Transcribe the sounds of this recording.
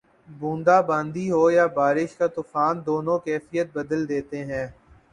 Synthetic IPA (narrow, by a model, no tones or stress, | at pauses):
bũːnd̪abãːnd̪iɦoːjabaːɾɪʃkat̪ʊfaːnd̪oːnõkɛːfɪjət̪̚bəd̪əld̪eːt̪eɦɛ̃ː